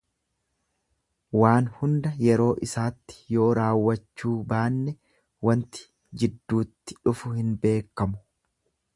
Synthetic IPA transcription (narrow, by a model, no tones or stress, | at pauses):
waːnhʊnd̪ɐjɛɾo̞ːʔɪsaːt̪ːɪ̥jo̞ːɾaːwːɐt͡ʃːuːbaːnːɛ | wɐnt̪ɪ̥ | d͡ʒɪd̪ːuːt̪ːɪ̥ᶑʊfʊhɪnbe̞ːkːɐmʊ̥